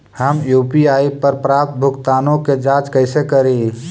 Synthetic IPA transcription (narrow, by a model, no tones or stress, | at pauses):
həmjuːpiaːipɐɾpɾaːp̚t̪̚bʱʊkt̪aːnõked͡ʒaːd͡ʒkəɪsekəɾe